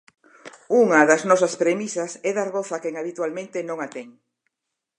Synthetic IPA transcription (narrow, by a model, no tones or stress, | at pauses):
uŋɐðɐznɔsɐspɾemisɐsɛðaɾɣoθakɛŋaβit̪walmẽnt̪enõŋat̪ɛŋ